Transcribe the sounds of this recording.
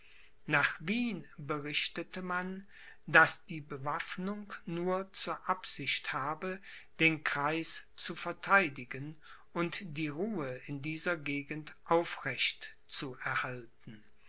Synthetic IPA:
naːχviːnbəʁɪʃtətəman | dasd̥iːbəvafnʊŋknuːɐt͡suːɐʔapz̥ɪçthaːbəd̥eːnkʁ̥aɪst͡sufɛɐtʰaɪdɪɡənʔʊntd̥iːʁuːəɪndiːzɐɡeːɡn̩tʔaʊfʁɛçt | t͡suɛɐhaltn̩

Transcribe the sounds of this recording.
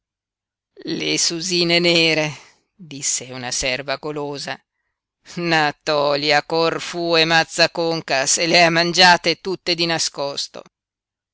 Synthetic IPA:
lesuziːneneːɾe | d̪isːeunasɛrvaɡoloːza | nat̪ɔːljakorfuːemat̪sːakoŋkaseleamːand͡ʒaːt̪et̪ut̪ːed̪inaskɔst̪o̰

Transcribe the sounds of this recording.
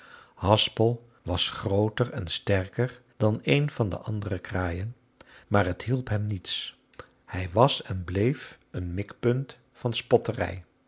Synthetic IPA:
hɑspəlˠ | ʋɑsχrowtərɛ̰nstɛɹkəɹ | d̥ɑnejnvɑndə̰ʔɑndərəkraːjən | maːɹɦətɦilˠpɦɛmnits | hɛjʋɑsɛnblejf | ənmɪkpɵnt | fɑnspɔtərɛ̰j

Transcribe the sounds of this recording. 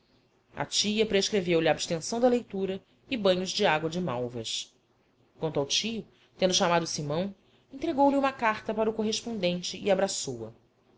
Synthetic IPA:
ɐ̰t͡ʃijɐpɾeʃkɾevewliaːbʃt̪ẽsɐ̃w̃d̪ɐlejt̪uɾɐ | ɪbɐ̃ɲʊzd͡ʒɪaɡwɐd͡ʒɪmawvɐs | kwɐ̃nt̪ɐwt͡ʃijʊ | t̪ẽnd̪ʊʃamad̪ʊsimɐ̃w̃ | ẽnt̪ɾeɡowliũmɐkaɾt̪ɐpaɾɐukoɦeʃpõnd̪ẽnt͡ʃɪʔɪabɾasowɐ̰

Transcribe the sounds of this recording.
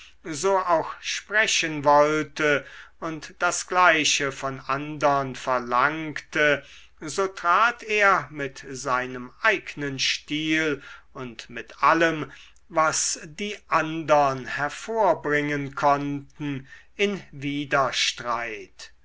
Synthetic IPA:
zoːʔaʊxʃpʁɛɕənvɔltəʊntd̥asɡ̥laɪɕəfɔnʔandɐnfɛɐlaŋktʰə | zoːtʁ̥aːtʰeːɐmɪtzaɪnəmʔaɪɡnənʃtiːlʊntmɪtʔaləm | vasdiːʔandɐnhɛɐfoːɐbʁɪŋənkʰɔntn̩ | ɪnviːdɐʃtʁaɪt

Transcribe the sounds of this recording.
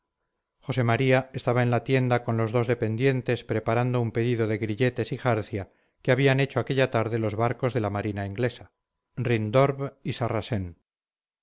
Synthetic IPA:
χo̞se̞maɾiae̞st̪aβae̞nlat̪je̞nd̪ako̞nlo̞zðo̞zðe̞pe̞nd̪je̞nt̪e̞spɾe̞paɾand̪o̞umpe̞ðiðo̞ðe̞ɣɾiʎe̞t̪e̞sixaɾθja | keaβ̞iane̞t͡ʃo̞ake̞ʎat̪aɾðe̞lo̞zβaɾko̞zðe̞lamaɾinaiŋɡle̞sa | rind̪o̞ɾβisarase̞n

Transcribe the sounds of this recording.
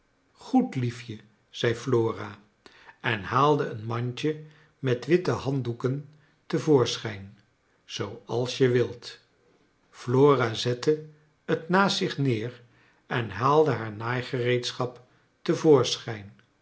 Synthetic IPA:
χutlifjə | z̥ɛjfloːra | ɛnhaːlˠdəənmɑɲt͡ʃə | mɛtʋɪtəɦɑndukən | təvoːɹsχɛjn | z̥owɑlˠsjəʋɪlˠt | floːrazɛtə | ətnaːsɪχnɪːr | ɛnɦaːlˠdəɦaːɹnaːjχərejtsχɑp | təvʊːɹsχɛjn

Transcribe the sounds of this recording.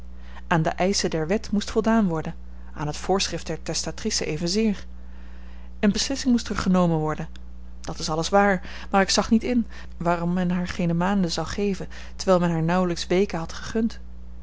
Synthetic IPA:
ʔaːndə̰ʔɛjsədɛɹʋɛtmustfɔlˠdaːnʋɔɹdən | a̰ːnɦətfʊːɹsχrɪftd̥ɛɹtɛstatrisəʔejvənzɪːɹ | ənbəslɪsɪŋmustəɹχənowmənʋɔɹdən | d̥ɑtɪsɑləsʋaːɹ | maːɹɪksɑχnitɪn | ʋaːrɔmːɛnɦaːɹχejnəmaːndəzɑwχejvən | təɹʋɛɪlˠmɛnɦaːɹnʌwləksʋejkənɦɑtχəχɵnt

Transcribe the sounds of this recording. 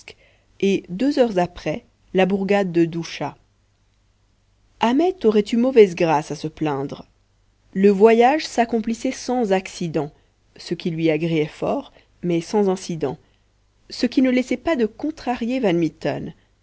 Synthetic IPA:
k | ed̪øzœʁzapχɛ | labuʁɡad̪ːəd̪uʃa | amɛt̪ɔʁɛt̪ymɔvɛzɡʁasasəplɛ̃d̪ʁ | ləvwajaʒsakɔ̃plisɛsɑ̃zaksid̪ɑ̃ | səkʲilɥiaɡʁeɛfɔːʁ | mɛsɑ̃zɛ̃sid̪ɑ̰̃ | səkʲinəlɛsɛpad̪əkɔ̃t̪χaʁjevanmit̪ɔ̰n

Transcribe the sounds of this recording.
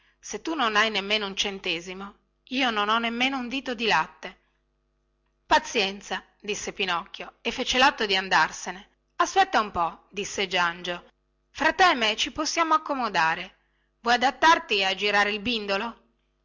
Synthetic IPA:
set̪ːunonajnemːeːnount͡ʃent̪eːzimo | iːononɔnːemːeːnound̪iːt̪od̪ilat̪ːe | pat̪sːjɛnt̪sa | d̪isːepinɔkːjoefːeːt͡ʃelat̪ːod̪iand̪arsene | aspɛt̪ːaumpɔd̪isːed͡ʒand͡ʒo | fɾat̪ːɛmet͡ʃiposːjaːmoakːomod̪aːɾe | vwɔjad̪at̪ːart̪iad͡ʒiɾaːɾeilbind̪olo

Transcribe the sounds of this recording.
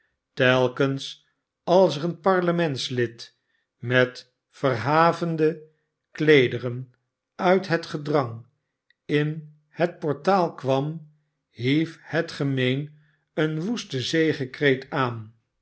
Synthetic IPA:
tɛlˠkəns | ɑlˠsəʁənpɑɹləmɛntslɪt | mɛt | fəɹɦaːvəndə | klejdərən | œɥtɦətχədrɑŋ | ɪn | hət̚pɔɹtaːlˠkʋɑm | ɦifhətχəmejn | ənʋustəzejχəkrejtaːn

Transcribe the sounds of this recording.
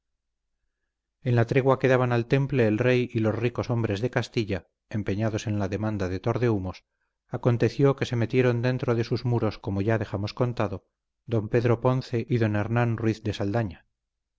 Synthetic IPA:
e̞nlat̪ɾe̞ɣwake̞ðaβanalt̪e̞mple̞ːlre̞jilo̞sriko̞so̞mbɾe̞zðe̞kast̪iʎa | empe̞ɲaðo̞se̞nlaðe̞mãnd̪aðe̞t̪o̞ɾðe̞umo̞s | ako̞nt̪e̞θjo̞ke̞se̞me̞t̪je̞ɾo̞nd̪e̞nt̪ɾoðe̞suzmuɾo̞sko̞moʝaðe̞xamo̞sko̞nt̪aðo̞ | d̪o̞mpe̞ðɾo̞po̞nθe̞ʔiðo̞ne̞ɾnanrwiθd̪e̞sald̪aɲa

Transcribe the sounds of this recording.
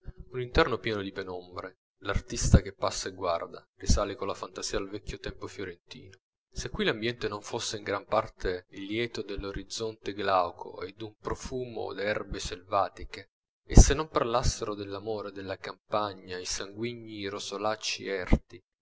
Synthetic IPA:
unint̪ɛrnopjɛːnod̪ipenɔmbɾe | lart̪ist̪ak̟epːasːaeɡward̪arisaːlekolafant̪az̥iːad̪alvɛkʰʲːjot̪ɛmpofjoɾent̪ḭːno | sekːwilambjɛnt̪enoɱfosːeiŋɡɾampart̪ʰelːjɛːt̪od̪elːoɾʔid̪zːɔnt̪eɡlawkʰo̰ed̪ːumpɾofuːmo̰d̪ɛrbeselvaːt̪ikeː | sːenːomparlasːeɾod̪elːamoːɾed̪elːakampaɲːaisaŋɡwiɲːiɾosolat͡ʃːḭɛrt̪i

